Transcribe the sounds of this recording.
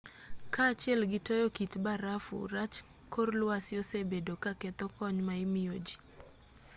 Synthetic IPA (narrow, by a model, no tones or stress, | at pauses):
kaːt͡ʃɪɛlɡɪtojɔkitbaɾafṵɾat͡ʃ | korlwasɪɔsebedokakɛt̪ɔkɔɲmaɪmɪod͡ʒi̥